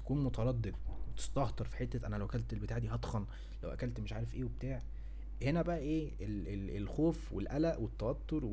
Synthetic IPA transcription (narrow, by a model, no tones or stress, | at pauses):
t̪æ̥kuːnmot̪ɑɾˤɑd̪ːed̪̚wet̪e̥st̪ɑht̪ɑɾˤfi̥ħet̪ːæʔænælæwʔækælt̪elbet̪aːʕd̪iːɦɑd̪xɑn | læwʔæ̰kælt̪meʃʕaːɾefʔeːweb̚t̪aːʕ | henæbæʔæʔeː | eleelxoːfwelʔælæʔwet̪ːæwɑt̪ːoɾˤw